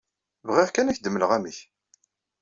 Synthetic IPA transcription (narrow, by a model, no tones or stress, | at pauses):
vʁiʁkænæçd̪əmːələʁæməç